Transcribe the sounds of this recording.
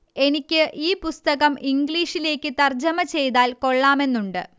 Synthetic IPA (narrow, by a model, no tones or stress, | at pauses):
e̞nikʲːɨʔiːpust̪ɐɣɐmʔiŋɡɭiːʂile̞ːkʲːɨt̪ɐrd͡ʑɐmɐt͡ɕe̞jt̪aːlko̞ɭːaːme̞nːuɳɖɨ̰